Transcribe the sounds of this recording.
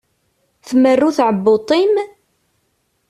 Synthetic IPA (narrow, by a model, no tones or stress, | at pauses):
θmərːuθʕəbːot̪ˤim